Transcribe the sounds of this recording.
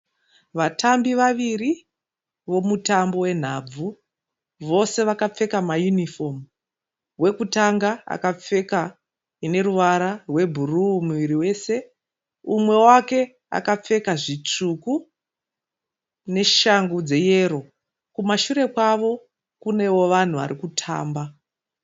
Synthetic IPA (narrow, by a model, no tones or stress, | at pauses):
ʋatʰambiʋaʋiri | ʋo̞mutambo̞we̞n̤ab͡vu | ʋo̞se̞ʋakap͡fe̞kamajunifo̞m | ɦwe̞kutaŋɡaa̰kap͡fe̞ka | ine̞ɾuʋaɾarwe̞bʱurumuʋiɾiwe̞se̞ | umwe̞wake̞ | a̰kap͡fe̞kaʐit͡ʂuku | ne̞ʃaŋɡud͡ze̞je̞ɾo̞ | kumaʃuɾe̞kwaʋo̞ | kune̞wo̞ʋan̤uʋa̰ɾikutʰa̰ːmba